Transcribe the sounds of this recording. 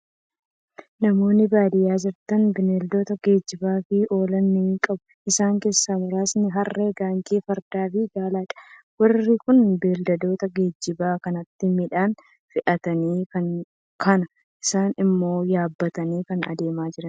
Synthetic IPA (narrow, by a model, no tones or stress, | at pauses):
nɐmo̞ːnːɪbaːd̪ɪjaːd͡ʒɪɾt̪ɐnbɪneːld̪o̞ːt̪ɐɡe̞ːd͡ʒːɪbaːfiːʔo̞ːlɐnːikʼɐbʊʔɪsaːŋke̞ːsːaːmʊɾaːsnɪɦɐrːe̞ːɡaːŋkiːfɐɾd̪aːfiːɡaːlaːᶑɐ̥wɐrːɪkʊnbeːld̪ɐd̪o̞ːt̪ɐɡe̞ːd͡ʒːɪbaːkɐnɐt̪ːɪmɪᶑaːn | fɪʔɐt̪ɐniːkɐn | kʰɐnɐ | ʔɪsaːnɪmːo̞ːjaːbːɐt̪ɐniːkɐnɐ̰d̪e̞ːmaːd͡ʒɪɾɐn